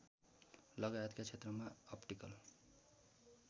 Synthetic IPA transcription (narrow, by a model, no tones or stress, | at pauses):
lʌɡajʌt̪kat͡sʰet̪rʌmaʌpʈikʌl